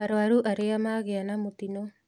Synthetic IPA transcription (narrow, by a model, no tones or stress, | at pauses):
aɾoaɾuʔaɾeamaɣeanamut̪ino